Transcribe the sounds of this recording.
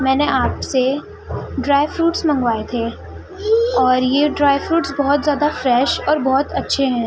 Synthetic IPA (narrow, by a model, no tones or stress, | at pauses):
mɛ̃ːneʔaːpse | ɖɾaːɪʋfɾuːʈsmɐ̃ŋɡʋaːet̪ʰeː | ɔːɾjeɖɾaːɪfɾuːʈsbɔɦʊt̪zjaːd̪afɾɛːʃɔːɾbɔɦʊt̪ɐtːʃʰeɦɛ̃ː